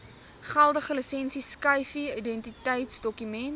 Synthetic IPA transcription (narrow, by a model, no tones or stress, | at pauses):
χælˠdəχəlisɛnsiskəjfiidɛntitəjtsdɔkymɛn